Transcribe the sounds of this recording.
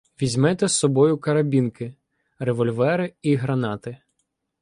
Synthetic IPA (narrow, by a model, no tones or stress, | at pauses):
ʋʲizʲmɛt̪ɛsːɔbɔjʊkɐɾɐbʲinkɪ | reʋɔlʲʋɛɾɪiɦɾɐnɑt̪ɪ